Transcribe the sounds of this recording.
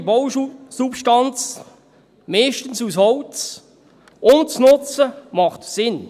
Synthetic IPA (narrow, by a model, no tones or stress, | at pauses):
bowsupʃtɑnt͡s | mɛːʃtən̩sushɔwt͡s | ʔʊnt͡snʊt͡səmɑχtsɪn